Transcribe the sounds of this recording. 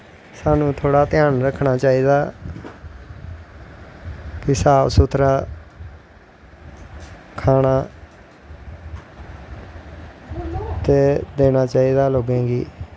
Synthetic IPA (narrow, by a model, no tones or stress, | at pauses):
saːnũːt̪ʰoːɽaːt̪ɪjaːnɾəkʰɳaːt͡ʃaːiːd̪aː | kɪsaːpsʊt̪ʰɾaː | kʰaːɽaː | t̪eːd̪eːnaːt͡ʃaːiːd̪aːloːɡẽːɡḭː